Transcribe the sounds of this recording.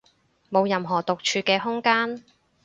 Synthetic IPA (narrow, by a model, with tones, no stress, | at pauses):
mo˨˧wjɐ˨mɦɔː˨˩t̪ʊ˨k̚t͡ʃʰyː˧kɛː˧ɦʊ˥ŋkaː˥n